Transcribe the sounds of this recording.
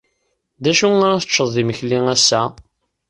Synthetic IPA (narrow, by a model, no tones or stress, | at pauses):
ðæʃuŋaɾæθə̥t͡ʃːəðˤðiməçliŋæsːæ